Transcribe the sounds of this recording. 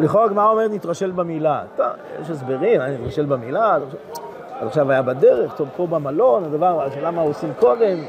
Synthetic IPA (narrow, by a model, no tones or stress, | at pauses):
liχokmaomeʁnit̪ʁaʃelbamilat̪o̰jḛʃes̬be̞ʁimajanit̪ʁaʃelbamilazaχʃa | azaχʃavajabad̪eʁeχt̪ovpobamalo̞nad̪avaʁaʃelamaosimko̞d̪e̞m